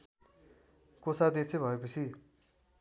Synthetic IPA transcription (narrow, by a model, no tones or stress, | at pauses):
kosad̪et͡sebʱʌepʌt͡sʰi